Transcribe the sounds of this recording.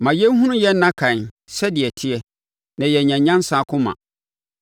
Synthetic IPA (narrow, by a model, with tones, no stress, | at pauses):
mã˨jɛ˦n˦ɦũ˦nʊ̃˦jɛ˦nː˦ã˦kʰã˨n | sɛ˦dɪ˨ɛ˨tʰɪ˦ɛ˦ | nã˨jɛ˨ɲã˨ɲã˦n˦sa˨kʰʊ̃˦mã̰˨